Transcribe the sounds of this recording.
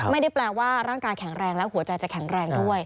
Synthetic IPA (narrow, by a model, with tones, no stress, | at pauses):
ma˥˩jda˥˩jplɛː˧waː˥˩ɾaː˥˩ŋkaː˧jkʰɛ˨˩˦ŋɾɛː˧ŋlɛ˦˥whu˩˦ɐt͡ɕa˧jt͡ɕa˨˩kʰɛ˩˦ŋɾɛː˧ŋdu˥˩əj